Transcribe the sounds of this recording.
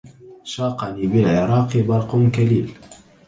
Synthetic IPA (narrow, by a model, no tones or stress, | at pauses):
ʃɑːqɑniːbɪlʕɪɾˤɑːqbɑɾˤqʊnkaliːl